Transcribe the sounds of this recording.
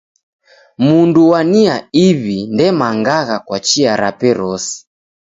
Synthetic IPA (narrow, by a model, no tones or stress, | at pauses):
munduwaniaiβindɛmaŋɡaɣakwat͡ʃiaɾapɛɾɔsi̥